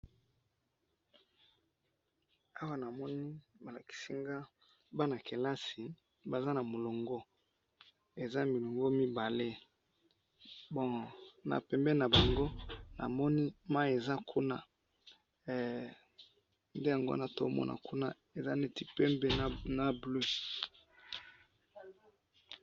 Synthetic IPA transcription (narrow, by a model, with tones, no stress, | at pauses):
a˦wa˦na˨mɔ˦ni˦ba˨la˨ki̥˨si˦ŋɡa˦ | ba˦na˨ke˨la˦si˨ | ba˨za˦na˨mo˨lo˨ŋɡɔ˦ | e˨za˦mi˨lo˨ŋɡɔ˦mi˦ba˨le˦ | bɔ˦˨na̰˨pɛ˨mbɛ˦na˨ba˨ŋɡo˦na̰˨mɔ˦ni˦ma˦e˨za˦kʰu˦na˦˨ | nde˦ja˨ŋɡo̰˦na˨to˦mɔ̰˦nʔa̰˨ku˦na˦ | e˨za˦ne˦ti˨pɛ˦mbe˦na˦blø˦